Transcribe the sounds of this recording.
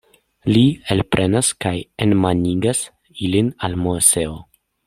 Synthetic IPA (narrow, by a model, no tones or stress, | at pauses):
lielpɾʔenaskajenmaniɡas | ilinalmoseo